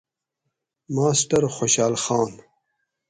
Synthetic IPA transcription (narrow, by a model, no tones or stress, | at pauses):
maːsʈɐɾxoɕaːlxaːn